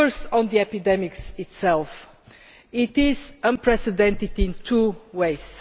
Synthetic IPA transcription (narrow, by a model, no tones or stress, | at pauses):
ə˞stn̩ðiɛpɨdɛmɪksɪtsɛlˠf | ɪtɪzə̃npʰɹɛsɨdɛ̃ntɨtɪ̃ntʰuweɪz̥